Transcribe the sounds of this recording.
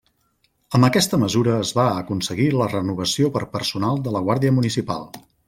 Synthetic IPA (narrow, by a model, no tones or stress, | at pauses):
əmbəkɛst̪əməzuɾəːzβaəkunsəɣilərənuβ̞əsiopəɾpərsunalˠd̪ələɣwaɾðiəmunisipa̰lˠ